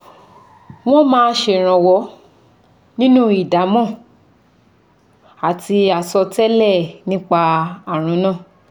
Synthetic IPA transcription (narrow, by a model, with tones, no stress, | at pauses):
w̃ɔ̃˦mãː˦˧˦ʃe˧˨ɾ̃ã˧˨wɔ˨˧˦ | nĩ˦nũ˦i˦˨da˨˦mɔ̃˦˨ | a˨ti˧a˨sɔ˧tɛ˦lɛ˦˨nĩ˦k͡pa˧a˨ɾ̃ũ˨˦nã˦˨